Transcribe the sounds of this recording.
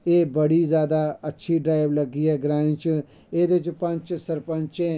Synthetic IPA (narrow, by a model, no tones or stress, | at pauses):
eːbəɽizjaːd̪aɐtːʃʰiɖɾaːɪʋlɐɡiːɦɛːɡɾaːĩt͡ʃ | eːd̪et͡ʃpɐ̃ɲt͡ʃsɐɾpə̃ɲt͡ʃẽː